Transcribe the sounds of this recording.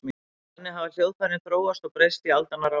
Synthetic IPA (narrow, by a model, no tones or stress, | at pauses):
mi | nːɪɦavaljoːwðfaɾɪθɾoːwast̪ɔɣpɾejst̪ialt̪anaɾa